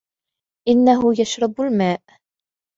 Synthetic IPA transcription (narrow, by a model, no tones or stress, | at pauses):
ʔɪnːaɦʊjaʃɾˤɑbalmaːʔ